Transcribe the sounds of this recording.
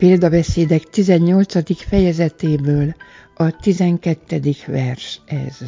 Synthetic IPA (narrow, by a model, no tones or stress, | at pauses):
peːld̪ɒbɛseːd̪ɛkt̪izɛɲːo̞lt̪sɒd̪ikfɛjɛzɛt̪eːbøːl | ɒt̪izɛŋkɛt̪ːɛd̪ikʋɛrʃɛ̰z̥